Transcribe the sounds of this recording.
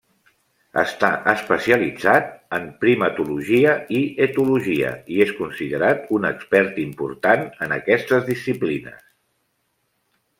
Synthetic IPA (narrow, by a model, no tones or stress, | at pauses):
ə̰st̪aʔəspəsiəlid͡zat̪̚əmpɾimət̪uluʒiəiət̪uluʒiə̰ieskunsiðəɾat̪unəkspɛɾt̪impṵɾt̪anənə̰kɛst̪əzðisːiplinə̰s